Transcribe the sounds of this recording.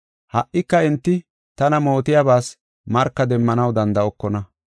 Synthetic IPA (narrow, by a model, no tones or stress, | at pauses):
hɐʔːɪkːɐɪnt̪ːɪ | t̪ɐnɐmo̞ːt̪ɪjaɐbaːs | mɐɾkːɐd̪ɛmːɐnɐwd̪ɐnd̪ɐɔkːɔnɐ